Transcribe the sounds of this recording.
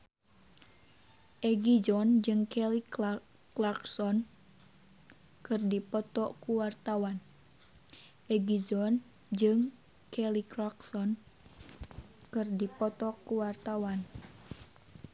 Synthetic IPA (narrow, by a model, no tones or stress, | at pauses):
ʔɛɡid͡ʒɔnd͡ʒɨŋkɛli | klaksɔn | kɨrdipɔt̪ɔkuwart̪awan | ʔɛɡid͡ʒɔn | d͡ʒɨŋ | kɛliklaksɔn | kɨrdipɔt̪ɔkuwart̪awan